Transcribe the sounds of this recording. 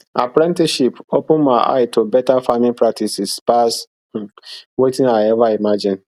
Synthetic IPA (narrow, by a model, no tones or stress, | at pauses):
a̰pɾɛ̃ntiʃipopũnmaɪʔa̰ɪtʰobɛtafamĩnpɾak̚tʰisispas̩ | wetĩnaɪɛvaimad͡ʒĩn